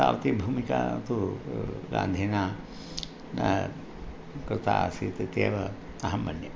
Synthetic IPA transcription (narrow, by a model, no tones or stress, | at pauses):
a̰ːʋɐt̪ibʱuːmika̰ːt̪u | ɾa̰ːnd̪ʱiːnaː | kɾɪt̪asiːt̪t̪eːʋɐ | ɐɦɐmːɐnjɐ